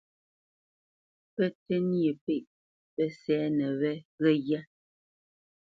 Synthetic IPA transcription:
pɛ˦tɛ˦nje˨pe˦˨ʔ | pɛ˦sɛː˨˦nɛ˨βɛ˦ɣɛ˦ɣja˦

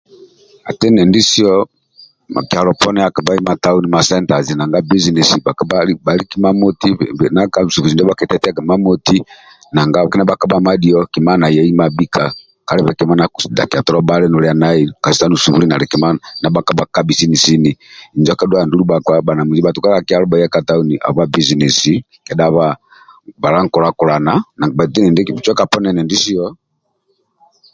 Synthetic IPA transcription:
a˨tɛ˦nɛ˨ndi˦si˦ɔ˦ | a˨ki˨a˨lɔ˨pɔ˦nɛ˦a˨ka˨ba˦i˦ma˨ta˦u˦ni˦ma˨sɛ˦nta˨zi˨na˨ŋɡa˦bi˦zi˨ni˨si˨ba˨kba˦ba˨li˦ki˦ma˦mɔ˦ti˦˨na˦ka˦˨su˨ku˨i˨ndɔ˦ba˦kɛ˨˦tɛ˦tɛ˦a˦kɛ˨ma˦mɔ˦ti˦ | na˨ŋɡa˦˨ki˦na˦ba˦ka˦ba˦ma˦di˨ɔ˦ki˨ma˦na˨jɛ˨˦i˦ma˨bi˦kʰa˨ | ka˨˦ɾɛ˦βɛ˨kɛ˨ma˦na˨ku˨sda̰˨ki˨a˨tɔ˦ɾɔ˦ba˦lɛ˦nɔ˨ɾɛ˨a˨na˦i˨ka˨si̥˨a˦nu˨su˨βṵ˦ɾi˦na˨ɾɛ˨kɛ˨ma˦nana˨˦ba˦ka˦ba˨ka˦bi˨si˦ni˨si˦ni˨i˨nd͡ʒɔ˦ka˦dwa˦˨ndu˦lu˦ba˨kwa˦ba˨na˨mu˨d͡ʒi˦ba˨tu˨ka˦ɾa˦ki˦a˦ɾɔ˦ba˨ija˦ka˨ta˦u˦ni˨ʔa̰˨βa˦bi˦zi˨nɛ˨si˦ | kɛ˨da˦βa˦ | ba˨ɾa˦ŋ˨kɔ˨ɾa˦kɔ˨ɾa˨na˨na˨ŋɡa˨ba˨ti˦nɛ˨ndɛ˦kbi˨t͡ʃɔ˦ka˨pɔ˦nɛ˨nɛ˨ndi˦si˦ɔ˦

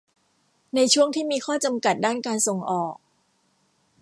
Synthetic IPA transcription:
na˧jt͡ɕʰu˥˩əŋt̪ʰiː˥˩miː˧kʰɔː˥˩t͡ɕa˧mka˨˩t̪̚daː˥˩nkaː˧nso˨˩ŋʔɔː˨˩k̚

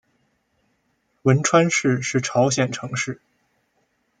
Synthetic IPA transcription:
wə˧˥nʈ͡ʂʰwa˥nʂɻ̩˥˧ʂɻ̩˥˩ʈ͡ʂʰɑ˧˥ʊɕjɛ˥˩nʈ͡ʂʰɤ˧˥ŋʂɻ̩˥˩

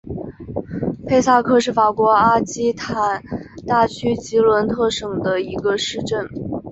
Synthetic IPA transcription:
pʰe˥˧ɪsa˥˧kʰɤ˥˧ʂɻ̩˥˩fa˨˩kwɔ˧˥a˥t͡ɕi˥t̪ʰa˨˩nt̪a˥˩t͡ɕʰy˥t͡ɕi˧˥lwə˧˥nt̪ʰɤ˥˩ʂɤ˨˩ŋd̪ə˦i˧˥ɡə˧ʂɻ̩˥˧ʈ͡ʂə˥˩n

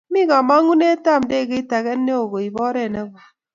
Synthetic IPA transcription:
mi˦ka˨ma˦ŋu˦ne˦ta˦˨mde˦˨ke˦ta˨ɣɛ˦nː˦e˦o˨ɡo˨i˨bɔ˦ɾe˦˨ne˦ɡʷa˨

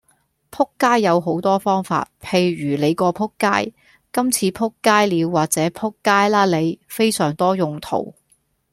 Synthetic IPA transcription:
pʰʊ˥kːaː˥jːɐ˨˧wɦo˨˥wt̪ɔː˥fɔː˥ŋfa̰ː˧t̚pʰe˨˧jɥyː˨˩le˨˧jkɔː˧pʰʊ˥kːaː˥j | kɐ˥mt͡sʰiː˨˧pʰʊ˥kːaː˥jliː˨˧wːaː˨˩t̚t͡sɛː˨˥pʰʊ˥kːaː˥jlaː˥le˨˧jfe˥jsœː˨˩ŋt̪ɔː˥jʊ˨ŋt̪ʰo̰˨˩w

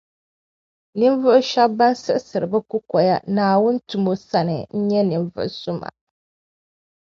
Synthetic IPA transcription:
nɨ˦ɱvʊ˦ʔʃa˦bːa˦nsɨ˦ʔsɨ˨ɾɨ˨bɨ˦ku˦kɔ˨ja˦naː˨wʊ˦n˦tu˨mo˦sa˦nɨ˨n̩˦ɲɛ˦nɨ˨ɱvʊ̰˦ʔsʊ˦ma̰˨

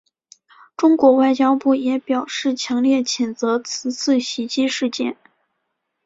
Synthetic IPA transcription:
ʈ͡ʂʊ˥ŋkwɔ˧˥wa˥˩ɪt͡ɕjɑ˥ʊpu˥˩jɛ˧˥pjɑ˨˩ʊʂɻ̩˥˩t͡ɕʰjɑ˧˥ŋljɛ˥˩t͡ɕʰjɛ˨˩nt͡sɤ˧˥t͡sʰɹ̩˧˥t͡sʰɹ̩˥˩ɕi˧˥t͡ɕi˥ʂɻ̩˥˧t͡ɕjɛ̰˥˩n

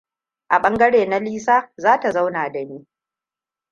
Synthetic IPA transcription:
ʔa˨ɓɐ˦ŋɡɐ˦ɽeː˨na˦liː˦saː˦zaː˦ta˨za˦wnaː˨da˨niː˦

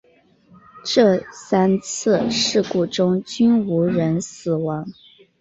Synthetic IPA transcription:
ʈ͡ʂɤ˥˩sa˥nt͡s̩ʰ˥˩ʂɻ̩˥˩ku˥˩ʈ͡ʂʊ˥ŋt͡ɕy˥nu˧˥ɻə˧˥nsɹ̩˨˩wɑ˧˥ŋ

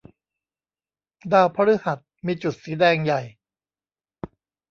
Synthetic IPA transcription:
daː˧wpʰa˧ɾi˦˥ha˨˩t̪̚miː˧t͡ɕu˨˩t̪̚siː˩˦dɛː˧ŋja˨˩j

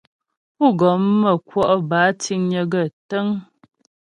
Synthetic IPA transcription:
u˦˨ɡɔ˨˦mːə˨kwɔ˦ʔbaː˨˦ti˦ŋɲə˨˦ɡə˦˨tə˦ŋ

